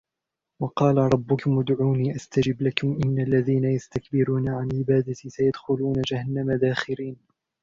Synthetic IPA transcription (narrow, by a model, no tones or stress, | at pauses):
wɑqɑːlaɾˤɑbːʊkʊmʔʊd̪ʕuːniːʔast̪ad͡ʒɪblakʊmʔɪnːalːaðiːnajast̪akbɪɾuːnaʕanʕɪbaːd̪at̪isajad̪xʊluːnad͡ʒahanːamad̪aːxɪɾiːn